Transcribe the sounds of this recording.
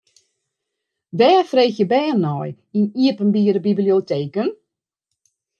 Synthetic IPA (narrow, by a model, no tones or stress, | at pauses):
dɛːfreːxjəbɛːnɔj | iniəpənbiəɾəbiblioteːkən